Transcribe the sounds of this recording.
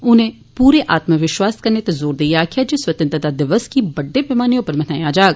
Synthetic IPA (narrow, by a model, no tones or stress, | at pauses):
ʊnẽː | puːɾeːʔaːt̪məʋɪʃwaːskəɾneːt̪ezoːɾd̪eiaːkʰɪjaːd͡ʒeːswət̪ə̃nt̪ɾd̪aːd̪ɪʋəskibəɖːeːpɪmaːniʊpəɾmənãːjaːd͡ʒaːɡ